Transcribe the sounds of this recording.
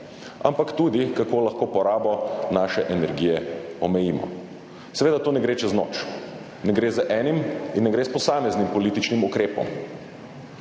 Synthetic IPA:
a̰mpakt̪ud̪ikakoːlaxkoːpɔɾaːbɔnaːʃɛʔɛnɛɾɡiːjɛɔmɛjiːmɔ̰ | sɛʋeːd̪at̪oːnɛɡɾet͡ʃɛznɔ̰ːt͡ʃ | nɛɡɾeːzəʔɛːniminːɛɡɾeːspɔsaːmɛznimpɔliːt̪it͡ʃnimukɾeːpɔ̰m

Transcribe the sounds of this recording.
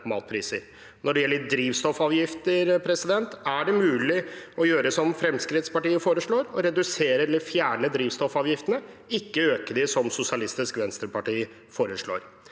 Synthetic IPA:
mɑ̰ːt̪̚pʰɾiːsəɾ | nɔɖɛjɛlːəɾd̪ɾiːʋst̪ɔfɑːʋjɪft̪əɾpʰɾɛsɪd̪ɛnt̪æɖɛmʉːlɪɔjøːɾəsɔmfɾɛmskɾɪt̪spɑʈiːəfoːɾəʂɭoːɾɔɾɛd̪ʉseːɾəɛlːəɾfjæːɳəd̪ɾiːʋst̪ɔfɑːʋjɪft̪ənə | ɪkːəøːkəɖ̪ɪsɔmsʊsɪɑlɪst̪ɪskʋɛnst̪ɾəpɑʈiː | foːɾəʂɭo̰ːɾ

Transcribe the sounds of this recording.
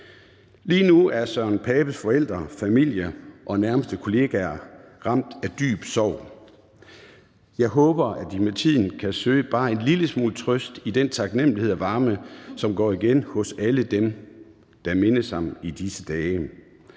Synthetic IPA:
liːnuæɐsɒnpʰɛːb̥əsfɒ̽el̰d̥ʁɐfæmil̰jəʔɒ̽næɐməsd̥əkʰo̝le̝ɡ̥æɐ | ʁɑ̈m̰d̥æd̥y̰ːb̥sɒʊ̰ | jɑ̈ɪɦɔ̽ːb̥ɐʔæd̥imet͡sʰið̰ˠn̩kʰæsø̰ːəb̥ɑ̈ːe̝nliləsmṵːlt͡sʰʁœsd̥id̥ent͡sʰɑ̈ɡ̥nem̰lihe̝ð̰ˠæʋɑ̈ːməsɒ̽mɡ̥ɒ̰ːiɡ̥enhɔ̽sæləd̥em | d̥ɑ̈me̝nəshɑ̈mid̥isəd̥ɛː

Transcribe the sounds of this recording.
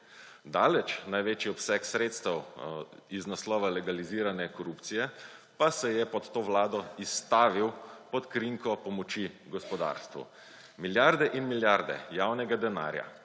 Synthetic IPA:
d̪aːlɛt͡ʃnajʋeːt͡ʃiɔpsɛksɾeːt̪st̪ɛw | iznaslɔːʋalɛɡaliziːɾanɛkɔɾupt̪sijɛpasɛjɛpɔt̪ːoːʋlaːd̪ɔist̪aːʋiwpɔt̪kɾiŋkɔpɔmɔt͡ʃiɡɔspɔd̪a̰ːɾst̪ʋṵ | miljaɾd̪ɛʔinmiljaɾd̪ɛ̰jaːwnɛɡad̪ɛna̰ːɾja̰

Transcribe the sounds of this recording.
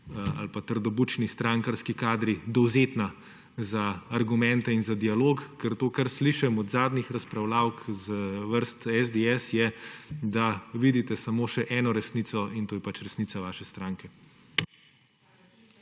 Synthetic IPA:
a̰lpat̪əɾd̪ɔbut͡ʃnist̪ɾaŋkaɾskikaːd̪ɾid̪ɔwzeːt̪na | zaːɾɡumɛ̃nt̪ɛinzad̪ialoːkkɛɾt̪oːkaɾsliʃɛmɔd̪zaːd̪nixɾɐspɾawlaːwkzʋəɾst̪ɛzd̪eɛsjɛd̪aʋid̪it̪ɛsamoːʃɛʔɛːnɔɾɛsniːt̪sɔʔint̪oːjɛpat͡ʃɾɛsnit̪saʋaːʃɛst̪ɾaːŋkɛ

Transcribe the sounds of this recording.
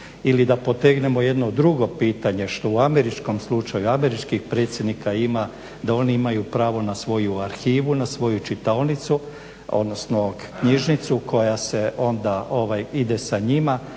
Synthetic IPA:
ilid̪apo̞t̪eɡne̞mo̞je̞d̪nod̪ɾuɡo̞piːt̪aɲe̞ʃt̪o̞uame̞ɾit͡ʃko̞mslˠut͡ʃajuame̞ɾit͡ʃkixpɾet̪sʲje̞d̪nikaima | d̪ao̞niimajupɾaːʋo̞nasʋo̞juaɾxiːʋunasʋo̞jut͡ʃit̪alnit̪su | o̞̰d̪no̞sno | kɲiʒnit̪sukʰo̞jase̞o̞nd̪ao̞ʋajid̪e̞saɲima

